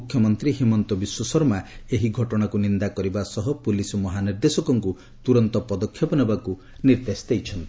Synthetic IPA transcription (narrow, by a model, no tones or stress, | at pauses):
ukʰːjɔmɔnt̪ɾiɦimɔnt̪ɔbiswɔsɔɾmaeɦiɡʱɔʈɔɽ̃akunind̪akɔɾibasɔɦɔpulisɔmɔɦaniɾd̪esɔkɔŋku | t̪uɾɔnt̪ɔpɔd̪ɔkʰːjɔpɔnɔbaku | niɾd̪esd̪ejt͡ʃʰɔnt̪i